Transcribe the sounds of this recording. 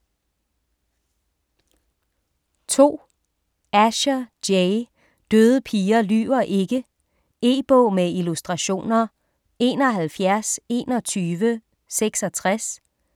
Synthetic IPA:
t͡sʰo̝̰ː | æɕɐ̥eɪ | d̥øːð̞ˠəpʰiːɐly̰ːɐʔe̝ɡ̥ə | e̝̰ːb̥ɔ̰ːmeilusd̥ʁɑ̈ɕo̝̰ːnɐ | e̝̰ːnɒ̽ɦælfjæɐse̝ːnɒ̽t͡sʰyːʋə | seɡ̥sɒ̽t͡sʰʁas

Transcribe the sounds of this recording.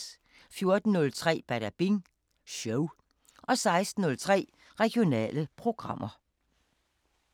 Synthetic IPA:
fjo̝ɐd̥n̩ːɔ̽lt͡sʰʁɛ̰ːb̥æɾæb̥iŋ | ɕoʊ | ʔɒ̽sɑ̈ɪsd̥n̩nɔ̽lt͡sʰʁɛ̰ː | ʁɛɡ̥io̝nɛ̰ːləpʰʁo̝ɡ̥ʁɑ̈m̰ʔɐ

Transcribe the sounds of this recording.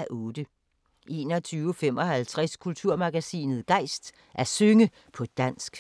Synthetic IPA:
æʔɔ̽ːd̥ə | ʔe̝ːnɒ̽t͡sʰyːʊfem̰ɒ̽hælt͡sʰʁaskʰult͡sʰuɐmɑ̈ɡ̥æsḭːnð̩ˠɡ̥ɑ̈ɪsd̥ | ʔæɐsøŋə | pʰɒ̽d̥æn̰sɡ̥

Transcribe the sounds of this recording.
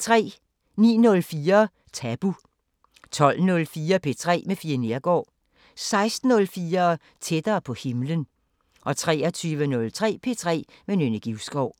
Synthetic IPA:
t͡sʰʁɛ̰ː | nḭːnɔ̽lfiːɐ | t͡sʰæb̥u | t͡sʰɒ̽l̰nɔ̽lfiːɐpʰe̝t͡sʰʁɛ̰ːmefiɐne̝ɐɡ̥ɒ̰ː | sɑ̈ɪsd̥n̩ɔ̽lfiːɐ | t͡sʰed̥ɐːpʰɒ̽he̝mlən | ʔɒ̽t͡sʰʁɛ̰ːɐt͡sʰyːʋənɔ̽lt͡sʰʁɛ̰ːpʰe̝ːt͡sʰʁɛ̰ː | menønɐɡ̥iʊsɡ̥ɒʊ̰

